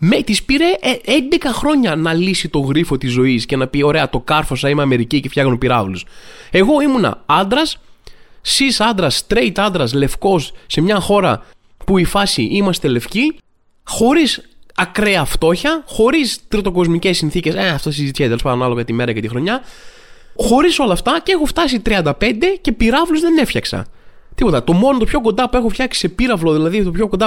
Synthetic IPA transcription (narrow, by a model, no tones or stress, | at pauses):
me̞t̪ispiɾeʔend̪e̞kɐxɾo̞ɲɐnɐlisit̪o̞ɣɾifo̞t̪izːo̞isce̞nɐpio̞ɾe̞ɐt̪o̞kɐɾfo̞sɐimeɐme̞ɾicicefçɐɣnupiɾɐvluse̞ɣo̞imunɐ̰ɐnd̪ɾɐsː | isɐnd̪ɾɐst̪ɾejt̪ɐnd̪ɾɐsle̞fko̞sːe̞mɲɐxo̞ɾɐ | puifɐsiʔimɐst̪e̞le̞fci | xo̞ɾisɐkɾe̞ɐft̪o̞çɐxo̞ɾist̪ɾot̪o̞kozmicesːinθiceseɐft̪oθsizit̪içt̪elospɐnɐnɐlo̞ɣɐt̪ime̞ɾɐcet̪ixɾo̞ɲɐ | xo̞ɾiso̞lɐːft̪ɐceexoft̪ɐsit̪ɾiɐnd̪ɐpe̞nd̪e̞ce̞piɾɐvluzðe̞ne̞fçɐksɐ̰ | t̪ipo̞t̪ɐt̪o̞mo̞not̪opço̞ko̞nd̪ɐpue̞xofçɐksi̥se̞piɾɐvlo̞ðilɐðit̪opço̞ko̞nd̪ɐ